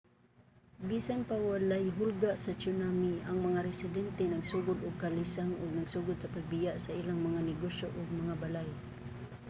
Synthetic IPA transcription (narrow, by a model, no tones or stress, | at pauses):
biːsanpawalajɦʊlɡaʔsat͡ʃʊnamiʔaŋmɐŋaɾɛsɪd̪ɛnt̪ɛnɐɡsuɡʊd̪ʊɡ̚kalisaŋʊɡ̚naɡsuːɡʊd̪̚sɐpaɡ̚bɪjaʔsaʔilaŋmɐŋanɛɡoʃjoʔʊɡ̚mɐŋabalaj